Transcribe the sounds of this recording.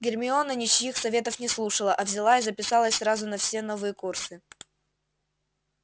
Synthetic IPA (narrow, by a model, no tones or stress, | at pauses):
ɡʲɪrmʲɪo̞nənʲɪt͡ɕjixsɐvʲe̞t̪əfnʲɪslˠuʂəlˠəʔɐvzʲɪlˠaizəpʲɪsalˠəsʲsɾazʊnɐfsʲe̞no̞vɨjəkursɨ